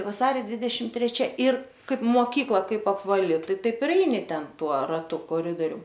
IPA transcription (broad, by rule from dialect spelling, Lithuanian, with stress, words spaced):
ʋɐˈsɑːrʲoː ˈdʲʋʲɪdʲɛʃʲɪm tʲrʲɛˈt͡ʃʲɛ ɪr ˈkɐɪp moːˈkʲiːklˠɐ ˈkɐɪp ɐpʋɐˈlʲɪ ˈtɐɪ ˈtɐɪp ɪr ˈɛɪnʲɪ ˈtʲɛn ˈtuɔ rɐˈtʊ koːˈrʲɪdoːrʲʊm